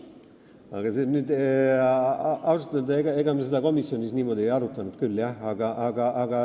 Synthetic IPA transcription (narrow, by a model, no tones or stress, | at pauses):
ɑɡ̥ɑsenyːd̪e | ɑwsu̥t̪ːˑeld̪eɡɑeɡ̥ɑmesed̪ɑko̞misio̞nʲisniːmo̞d̪̥ʲiejɑɾut̪ːˑɑnud̪̚kylːjæɑɡ̥ɑʔɑɡɑʔːɡ̥ɑ